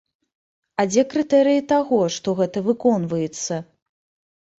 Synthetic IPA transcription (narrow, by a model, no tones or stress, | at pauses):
ad͡zʲɛkɾɨt̪ɛɾɨjit̪aɣɔʂt̪ɔɣɛt̪ɐvɨkɔnvɐjɛt̪sːɐ